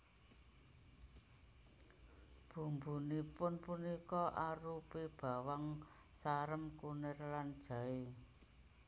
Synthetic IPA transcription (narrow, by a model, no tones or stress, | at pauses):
b̥ṳmbunipʊnpunikɔʔaɾupeb̥ä̤waŋ | saɾəmkunɪrland̥ʒ̥ä̤e